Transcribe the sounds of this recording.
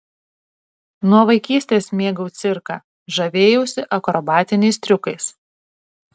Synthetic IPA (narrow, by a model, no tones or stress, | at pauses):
nuɔʋɐɪkʲiːsʲt̪ʲeːsmʲeːɡɐʊt̪sʲɪɾkɑː | ʒɐʋʲeːjɛsʲɪʔɐkɾɔbɑːt̪ʲɪnʲɛɪst̪ʲɾʲʊkɐɪs